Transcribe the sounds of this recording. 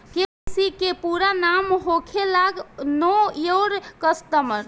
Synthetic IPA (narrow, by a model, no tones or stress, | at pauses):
ke | sikepuɾanamɦokʰelaɡnɔoɾkəst̪əməɾ